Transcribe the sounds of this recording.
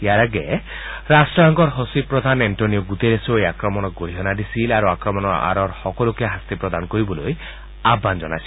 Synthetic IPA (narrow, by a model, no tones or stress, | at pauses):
jaɾaɡɛ | ɾasʈɾɔɦɔŋkɔɾɦosipɾɔd̪ʱanenʈoniɔɡut̪eɾesoejakɾɔmɔnɔk̚ɡoɾiɦɔnad̪isilaɾuakɾɔmɔnɔa̰ɾɔɾhɔkɔlukeɦast̪ipɾɔd̪ankoɾibɔloj | abːand͡ʒɔna̰jsil